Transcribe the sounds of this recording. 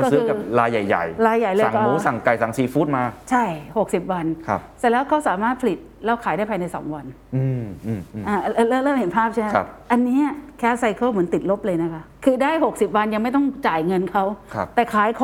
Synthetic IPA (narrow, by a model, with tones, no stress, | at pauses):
ɔ˥˩sɯ˦˥˧ka˨˩p̚ɾaː˧jːa˨˩jːa̰˨˩jɾaː˧jːa˨˩jlɤ˧˨˩kːuː˨˦sa˨˩ŋka˨˩jsa˩˦ŋsiː˨˩fuː˥˩t̪̚maː˧t͡ɕʰa˥˩jho˨˩k̚si˨˩p̚wa˧nkʰa˦˧psɛ˨˩lɛː˦˥wkʰa˦˥wsaː˩˦maː˥˩t̪̚pʰa˧li˨˩t̪̚lɛː˦˥wkʰaː˨˦daː˥˩pʰaː˧jna˧jsɔ̰ː˩˦ŋwa˧n | ʔɯː˧ʔːmː˧˩ʔaː˧˩˧lɤ˧˩lɤː˥˩lɤː˥˩mhe˨˩˦npʰaː˥˩p̚t͡ɕʰa˥˩m˧˦˥p̚ʔa˧nːiː˦˥ɐkʰɛː˦˥sa˧jkʰɤː˥˩mɯ˩˦nt̪i˨˩t̪̚lo˦˥p̚lɤː˧jna˦˥kʰa˦˥kʰɯː˧daː˥˩jɦo˨˩k̚si˨˩p̚wa˧nja˧ŋma˥˩jt̪̬ɔ˥˩ŋt͡ɕaː˨˩jŋɤ˧nkʰa˦˥wkʰa˦˧˥t̪ɛː˨˩kʰaː˩˦jkʰɔ˨